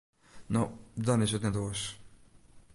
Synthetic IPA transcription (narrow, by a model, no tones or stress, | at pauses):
nɔd̪ɐːnɪʃɛt̪nɛt̪ɔʃ